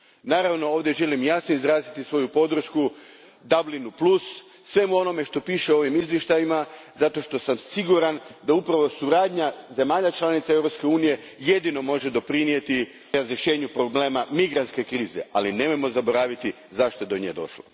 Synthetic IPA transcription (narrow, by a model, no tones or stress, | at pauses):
naːɾaʋno̞o̞ːʋd̪je̞ʒe̞limjasnoizɾaːzit̪isʋo̞jupo̞d̪r̩ʃku | d̪ablinuplˠusː | ʋe̞muo̞no̞me̞ʃt̪o̞piːʃeoo̞ʋimizʋjeʃt̪ajimazat̪o̞ʃt̪o̞samsiɡuɾand̪aupɾaʋo̞suɾaːd̪ɲaze̞maːʎat͡ʃlˠanit̪sae̞vɾo̞pske̞uːnije̞ | je̞d̪ino̞mo̞ʒe̞d̪o̞pɾinije̞t̪i | ɾazɾe̞ʃe̞ːɲupɾo̞bleːmamiɡɾant̪ske̞kɾiːze̞̰ʔaline̞mojmo̞zabo̞ɾaːʋit̪i | zaʃt̪o̞e̞d̪o̞ɲḛd̪o̞̰ʃlo̰